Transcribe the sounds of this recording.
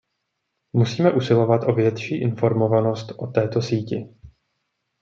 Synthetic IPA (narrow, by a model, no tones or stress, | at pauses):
musiːmɛʔusɪlo̞vat̪ʔo̞vjɛt̪ʃiːʔɪnfo̞ɾmo̞vano̞st̪ʔo̞t̪ɛːt̪o̞siːcɪ